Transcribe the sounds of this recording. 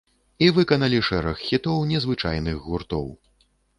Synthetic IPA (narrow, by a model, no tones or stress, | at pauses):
ivɨkɐnɐlʲiʂɛɾɐxːʲit̪ɔwnʲɛzvɨt͡ʂa̰jnɨɣɣurt̪ɔ̰w